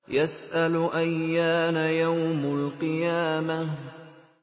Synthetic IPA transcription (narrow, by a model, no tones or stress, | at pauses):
jasʔalʔajːaːnajawmalqɨjaːma